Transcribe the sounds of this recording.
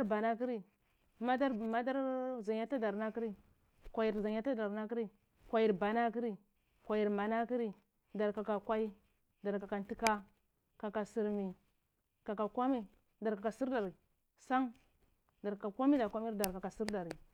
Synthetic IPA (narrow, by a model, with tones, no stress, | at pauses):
a˦ɾba˨na˦ki˦ɾi˦ | ma˦da˦ɾma˦da˦ɾza˨ɲja˦a˦da˨ɾna˦ki˦ɾi˦ | kʷa˨ji˨ɾza˨ɲ˦a˦ta˦da˨ɾna˦ki˦ɾi˦ | kʷa˨ji˨ɾba˨na˦k̬i˦ɾi˦ | kʷa˨ji˨ɾma˨na˦ki˦ɾi˦ | da˨ɾka˨ka˨kʷa˦i˦ | da˨ɾka˨ka˨n˦ti˦ka˦ | ka˨ka˨si˨ɾmi˨ | ka˨ka˨kʷa˦mi˦ | da˨ɾka˨ka˨si˦ɾda˨ɾi˨ | sa˦ŋ | da˨ɾa˨ka˨kʷa˦mi˦da˨kʷa˦mi˦da˨ɾka˨ka˨si˦ɾda˨ɾi˨